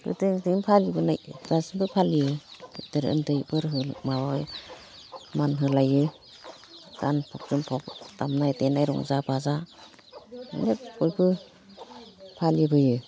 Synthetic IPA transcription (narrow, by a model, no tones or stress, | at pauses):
kɯ̰tɯŋtɯnpʰalibɯnajtasbɯpʰaliɯtɯɾɯ̰ntɯjbɯɾɦɯmawɔj | manɦɯlajɯ | ɡ̥anpʰɔp̚z̥ɯmpʰɔp̚tamnajtenajɾɔ̰ŋzabaza | ɯ̰nlekujbɯ | pʰalibɯjɯ